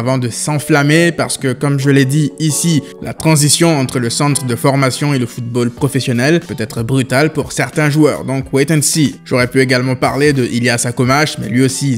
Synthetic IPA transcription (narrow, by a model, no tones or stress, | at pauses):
avɑ̃d̪əsɑ̃flamepa̰ʁsə̥kəkɔmʒəlɛd̪iisi | la̰t̪χɑ̃zisjɔ̃ɑ̃t̪χələsɑ̃t̪χəd̪əfɔʁmasjɔ̃eləfut̪̚bolpχɔfɛsjɔnɛlpøt̪ɛt̪χəbʁyt̪alpuʁsɛʁt̪ɛ̃ʒuœ̰ːʁd̪ɔ̃kwet̪ɛnsiʒoʁɛpyeɡalmɑ̃pa̰ʁled̪əʔiljasakomaʃmɛ̰lɥiosi